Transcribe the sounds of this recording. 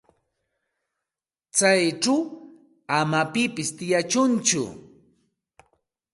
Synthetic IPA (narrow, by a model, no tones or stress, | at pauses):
t͡sajʈ͡ʂaw | amapɪpɪst̪ɪjat͡ʃʊnt͡ʃʊ̰